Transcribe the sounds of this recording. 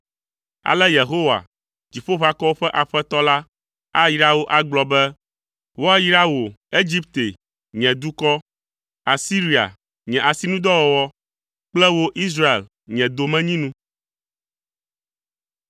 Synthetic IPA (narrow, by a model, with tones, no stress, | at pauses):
a̰˨lɛ˦je˨ɦo˦wa̰˨ | d͡ʑi˨ɸo˦βa˦kɔ˦wo˦ɸɛ˦ʔa˨ɸɛ˦t̪ɔ˦la˦ | a˦ji˦ɾa˦wo˦ʔa˦ɡ͡blɔ˨bɛ˦ | wɔ˦ɛ˦ji˦ɾa˦wo˨e˦d͡ʑi˦p̚t̪e˨ | ɲɛ̃˨d̪u˦kɔ˦ | a˨si˦ɾi˨a̰˨ | ɲɛ̃˨ʔa˨si˦nũ˦d̪ɔ˦wɔ˨wɔ˦ | k͡plɛ˦wo˦ʔi˦s̬ɾa˦ḛ˨l | ɲɛ̃˨d̪o˨mɛ̃˦ɲĩ˦nũ˦